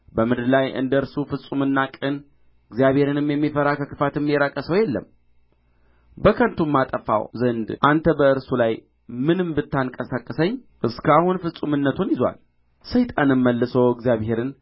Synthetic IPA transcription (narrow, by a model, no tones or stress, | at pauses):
bəmɨd̪ɾlajʔɨ̰nd̪əɨɾsufɨsʼumɨnːakʼɨn | ɨɡzijaβhe̞ɾɨnɨmjɛmːifəɾakʰəkʰɨfat̪ɨmːjɛɾakʼːəsəwjɛlːə̰m | bəkʰənt̪ʰumːat̪ʼəfa̰wzənd̪ʔant̪ʰəbəɨɾsulaj | mɨnɨmbɨt̪ʰːaŋkʼəsakʼːɨsəɲː | ʔɨskahunfɨsʼumɨnːət̪ʰunjɪzwa̰l | sɨjt̪ʼanɨmːəlːɨsəwɪɡzjaβhe̞ɾɨn